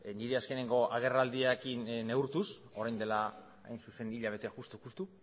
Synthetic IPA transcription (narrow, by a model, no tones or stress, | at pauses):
niɾeaske̞ne̞ŋɡo̞ʔaɣ̞e̞rald̪iakinne̞uɾt̪us | o̞ɾajnd̪e̞la | a̰jnsuse̞niʎaβe̞t̪eaxust̪ukust̪u